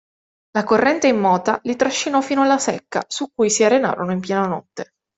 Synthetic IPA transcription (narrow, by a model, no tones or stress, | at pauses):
lakorːɛnt̪eimːɔːt̪alit̪ɾaʃːinɔfiːnoalːasɛ̰kːa̰sukːujsiarena̰ːɾonoimpjɛːnanɔ̰t̪ːe